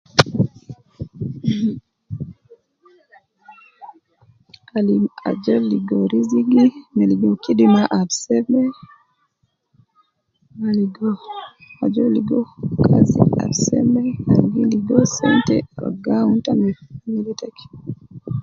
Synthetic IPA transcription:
alima̰d͡ʒɔliɡɔɾiziɡimɛliɡɔkidimaʔaɾsɛmɛ | maliɡɔ | ad͡ʒɔliɡɔkʰazḭa̰ɾsɛ̰mɛaɡiliɡɔsɛ̰ntɛala̰ɡauntamɛfmilitaki̥

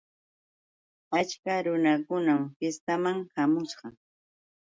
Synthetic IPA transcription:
at͡ʃkaɾʊnakʊnamfɪst̪amaŋhamʊsɢɑ

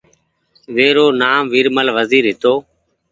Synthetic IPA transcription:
ʋeːɾoːnaːmʋiːɾməlʋəziːɾɦɪt̪oː

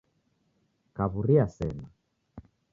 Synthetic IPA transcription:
kaβuɾiasɛna

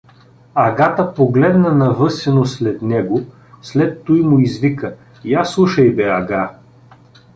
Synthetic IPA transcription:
ɐɡat̪əpoɡlɛd̪nɐnɐvɤsɛnoslɛt̪nɛɡo | slɛt̪ːujmʊizvikə | ijaslˠuʃɐjbɛɐɡa

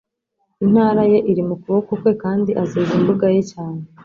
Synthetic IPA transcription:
in̥haːɾaje̞ʔiɾimukuβokokwe̞kaːndiʔazeːzimbuɡajecaːne

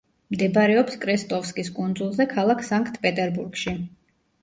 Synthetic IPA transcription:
md̪ɛbaɾɛɔpskʼɾɛst̪ʼɔfskʼiskʼund̪zulˠzɛkʰalˠakʰsaŋkʰʼt̪ʰpʼɛt̪ʼɛɾbuɾɡʃi

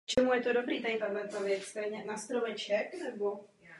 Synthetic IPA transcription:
t͡ʃɛmujɛt̪odobɾiːt̪adɪt̪adlɛt̪avjɛt͡sst̪ɛjɲɛnast̪ɾovɛt͡ʃɛknɛbo

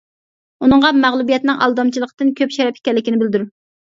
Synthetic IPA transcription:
unɨŋʁɑmæʁlˠubijɛt̪nɪŋʔɑ̰lˠd̪ɑmt͡ʃʰilˠəqʰət̪ɨnkʲʰøpʃɛɾɛpi̥kʲɛlːɪkʲinɪbɪld̪yɾ

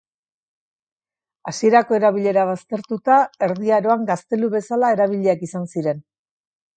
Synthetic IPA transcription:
asie̞ɾako̞e̞ɾaβ̞iʎe̞ɾaβ̞ast̪e̞ɾt̪ut̪ae̞ɾðiaɾo̞aŋɡast̪e̞luβe̞salaeɾaβ̞iʎeakisansiɾe̞n

